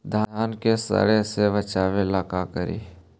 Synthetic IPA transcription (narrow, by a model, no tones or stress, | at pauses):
d̪ʱajaːnkesə̰ɽeseʋət͡ʃaːʋelaːkakəɾḭː